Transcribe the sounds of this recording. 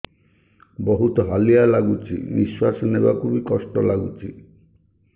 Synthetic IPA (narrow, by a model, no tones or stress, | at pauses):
bɔɦut̪ɔɦalijalaɡut͡ʃʰḭniswasɔneba̰kʰubikɔsʈɔlaɡut͡ʃʰi